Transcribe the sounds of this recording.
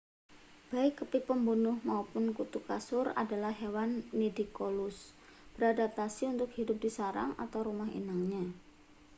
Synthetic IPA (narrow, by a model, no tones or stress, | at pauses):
b̥aɪkːəpipəmbunʊhmaupʊnkut̪ukasʊra̰dalahɦewanːidikolʊsb̥əɾadat̪asiunt̪ʊk̚hidʊp̚disaɾa̰ŋa̰t̪awɾumaɦḭnaŋɲa